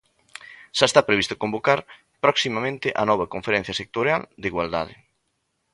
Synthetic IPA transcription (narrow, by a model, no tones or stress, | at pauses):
ʃaest̪apɾeβist̪o̥kõmbokaɾ | pɾɔksimamẽnt̪ɪʔanɔβ̞ɐkoɱfeɾɛ̃n̟θjasek̚t̪oɾjald̪iɣwald̪a̰ð̞ɪ̰